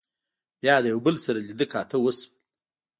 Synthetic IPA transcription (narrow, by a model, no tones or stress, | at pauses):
jɑːd̪əjawbəlsaɾalid̪əkʰɑːt̪ʰəwəs